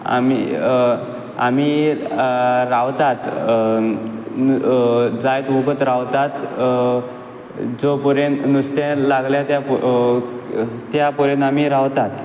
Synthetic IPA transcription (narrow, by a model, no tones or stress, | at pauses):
a̰mḭ | amiː | ɾawt̪at̪ | d͡zajt̪ʋuɡət̪ɾawt̪at̪ | d͡zopuɾennust̪ẽlaɡljat̪ja | t̪japuɾẽnamiɾawt̪at̪